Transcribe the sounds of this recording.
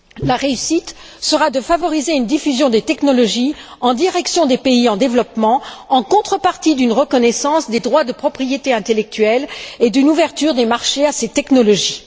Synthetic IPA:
laʁeysit̪ | səʁad̪əfavɔʁizeynd̪ifyzjɔ̃d̪et̪ɛknɔlɔʒiɑ̃d̪iʁɛksjɔ̃d̪epeiɑ̃d̪evlɔpmɑ̃ɑ̃kɔ̃t̪χəpaʁt̪id̪ynʁəkɔnɛsɑ̃sd̪ed̪ʁwad̪əpχɔpχijet̪eɛ̃t̪elɛk̚t̪ɥɛled̪ynuvɛʁt̪yʁd̪emaʁʃeaset̪ɛknɔlɔʒi

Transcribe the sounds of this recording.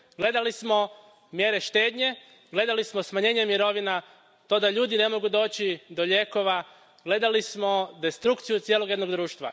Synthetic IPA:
ɡle̞d̪alismo̞ | mje̞ːɾe̞ʃt̪e̞ːd̪ɲe̞ | ɡle̞d̪alismo̞smaɲe̞ːɲemiɾo̞ʋina | t̪o̞ːd̪aʎuːd̪ine̞mo̞ɡud̪o̞ːt͡ɕid̪o̞ʎe̞ːko̞ʋa | ɡle̞d̪alismo̞d̪e̞st̪ɾukt̪sijut̪sijelo̞ɡje̞d̪no̞ɡd̪ɾuːʃt̪ʋa̰

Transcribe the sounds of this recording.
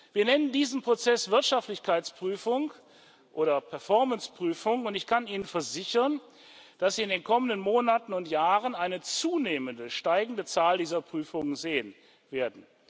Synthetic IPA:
v̥iːɐnɛnəndiːzənpʁ̥ot͡sɛsv̥ɪɐtʃaftlɪçkʰaɪt͡spʁ̥yːfʊŋ | ʔoːɾɐpʰɛɐfɔɐmənspʁ̥yːfʊŋʊntɪçkʰaniːnənfɛɐzɪçɐn | d̥asz̥iːɪndeːnkʰɔməndənmoːnatn̩ʊntjaːʁənaɪnət͡suːneːməndəʃtaɪɡŋ̩dət͡saːldiːzɐpʁ̥yːfʊŋənzeːən | veːɐdn̩

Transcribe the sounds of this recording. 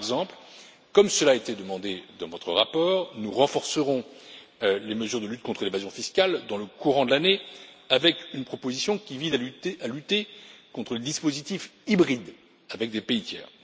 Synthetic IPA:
ɛɡzɑ̃pl | kɔmsəlaet̪ed̪əmɑ̃d̪ed̪ɑ̃vɔt̪χəʁapɔːʁnuʁɑ̃fɔʁsəʁɔ̃ | leməzyʁd̪əlyt̪̚kɔ̃t̪χəlevazjɔ̃fiskʲald̪ɑ̃ləkuʁɑ̃d̪əlane | avɛkynpχɔpozisjɔ̃kʲivizaalyt̪ekɔ̃t̪χəled̪ispozit̪ifibʁid̪ | avɛk̚d̪epeit̪ʰjɛ̰ːʁ

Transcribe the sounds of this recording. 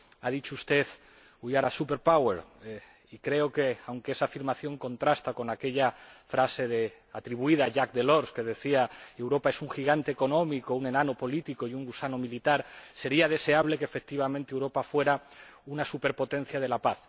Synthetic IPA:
að̞it͡ʃoust̪e̞θ | ujaɾasupe̞ɾpaweɾ | ikɾe̞o̞ke̞awŋkeesaːfiɾmaθjo̞ŋkõ̞nt̪ɾast̪ako̞nake̞ʎafɾase̞ðe | at̪ɾiβuiðaʝak̚d̪e̞lo̞ɾske̞ð̞e̞θiaewɾo̞pae̞suŋxiɣ̞ant̪e̞ːko̞nõ̞miko̞une̞nano̞po̞lit̪iko̞juŋɡusanomilit̪aɾse̞ɾiað̞e̞se̞aβle̞keːfek̚t̪iβ̞amẽnt̪ewɾo̞pafwe̞ɾaunasupe̞ɾpo̞t̪e̞nθjað̞e̞lapaθ

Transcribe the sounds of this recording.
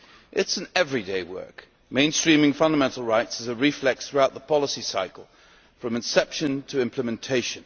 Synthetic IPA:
ʔɪtsɨ̃n̩ɛvɹideɪwɜ̰˞k | mẽɪ̃nstɹ̥ĩmɪ̃ŋfʌ̃ndəmɛ̃ntˡl̩ˠɹaɪtsɨzɨɹiflɛksθɹʉaʊt̪̚ðəpʰɑlˠəsisaɪkl̩ˠ | fɹʌ̃mɨ̃nsɛpʃɨ̃ntʰɨɪ̃mpʰləmɨ̃ntʰeɪʃɨ̃n

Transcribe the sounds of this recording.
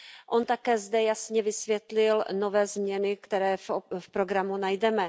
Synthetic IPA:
ʔont̪akɛːzdɛjasɲɛvɪsvjɛt̪lɪlno̞vɛːzmɲɛnɪkt̪ɛɾɛːfpɾo̞ɡɾamunajdɛmɛ

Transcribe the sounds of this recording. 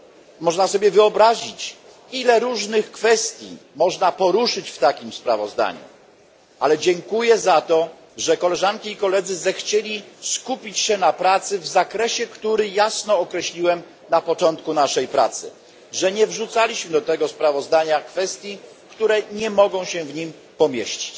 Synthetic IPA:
mɔʐnasɔbʲjɛvɘɔbɾaʑit͡ɕ | ilɛɾuʐnɘxkfɛst̪ʲjḭmɔʐnapɔɾuʂɘt͡ɕft̪akʲimspɾa̰vɔzd̪a̰ɲṵ | ʔalɛd͡ʑɛŋkujɛzat̪ɔ | ʐɛkɔlɛʐankʲiːkɔlɛd̪zɘzɛxt͡ɕelʲiskupʲit͡ɕɕɛnapɾat̪sɘvzakɾɛɕɛkt̪uɾɘjasnɔːkɾɛɕlʲiwɛm | napɔt͡ʂɔnt̪kunaʂɛjpɾa̰t̪sɘ̰ | ʐɛɲɛvʐut̪salʲiɕmɘd̪ɔt̪ɛɡɔspɾavɔzd̪aɲakfɛst̪ʲji | kt̪uɾɛɲɛmɔɡɔ̃w̃ɕɛvɲim | pɔmʲjeɕt͡ɕi̥t͡ɕ

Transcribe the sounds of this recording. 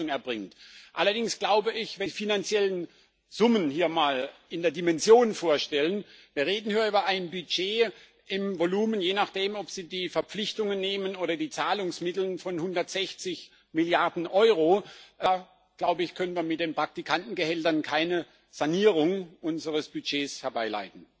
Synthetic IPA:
ʊŋɛɐbʁɪŋtʔalɐdɪŋsɡ̥laʊbəɪçvɛfinant͡sjɛlən | z̥ʊmənhiːɐmaːlɪndeːɐdimɛnzjoːnfoːɐʃtɛlənviːɐʁeːdn̩hyːɐyːbɐaɪnbyd͡ʒeː | ʔɪmvoluːmənjeːnaχd̥eːmɔpz̥iːdiːfɛɐp͡flɪçtʊŋənːeːmənoːɾɐdiːt͡saːlʊŋsmɪtl̩nfɔnhʊndɐtz̥ɛçt͡sɪç | mɪljaɐdn̩ʔɔʏʁoʔaː | ɡ̥laʊbəɪçkʰœnənviːɐmɪt̚d̥eːnpʁ̥ak̚tikʰantn̩ɡəhɛltɐnkʰaɪnə | z̥aniːʁʊŋʔʊnzəʁəsb̥yd͡ʒeːshɛɐbaɪla̰ɪtn̩

